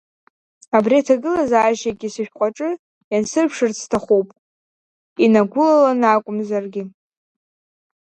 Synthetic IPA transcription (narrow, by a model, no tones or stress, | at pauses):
abriatʰaɡɨlazaːʒaɡʲisɨʃᶣqʷʼaʈ͡ʂʼɨ | jansɨrpʰʂɨrt͡sʰtʰaχowpʼ | inaɡʷʊlalanakʷʼʊmzarɡʲɪ